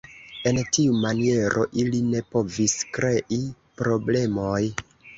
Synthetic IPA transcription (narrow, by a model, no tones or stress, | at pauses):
e̞ntiumanie̞ɾʔo̞̰ʔiline̞po̞viskɾe̞ʔi | pɾo̞ble̞mo̞j